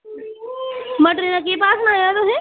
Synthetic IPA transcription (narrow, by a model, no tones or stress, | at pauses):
mɐʈɾinãkepaːsnajad̪oɦɛ̃